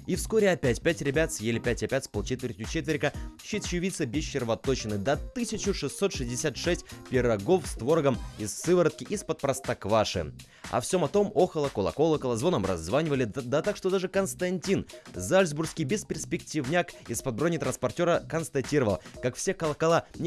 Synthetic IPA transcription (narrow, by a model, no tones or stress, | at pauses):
ifsko̞ɾʲɪɐpʲætʲpʲætʲɾʲɪbʲat̪sjelʲɪpʲætʲɐpʲætʲspolˠt͡ɕet̪vʲɪrtʲjʊt͡ɕet̪vʲɪɾʲkəɕːit̪ɕjʊvʲit̪sɨbʲɪsɕːɪrvɐt̪ot͡ɕɪnɨd̪ɐt̪ɨsʲɪt͡ɕʊʂɨsːo̞t̪ʂɨzʲdʲɪsʲat̪ʂɛsʲt̚ʲpʲɪɾɐɡo̞fst̪vo̞ɾɡəmɪsːɨvəɾət̪̚kʲɪʔispət̪̚pɾɐst̪ɐkvaʂɨ̰ | ɐ̰fsʲo̞mɐt̪o̞mo̞xəlˠəkʊlˠɐ̰ko̞lˠəkəlˠɐzvo̞nəmrɐ̰zːvanʲɪvəlʲɪd̪ɐt̪akʂt̪od̪aʐɨkənst̪ɐnʲtʲinzalʲzburskʲijbʲɪspʲɪrsʲpʲɪktʲivnʲakɪspɐd̪̚bronʲɪt̪ɾənspɐrtʲo̞ɾəkənst̪ɐtʲiɾəvəlˠkakfsʲekɐlˠəkɐlˠa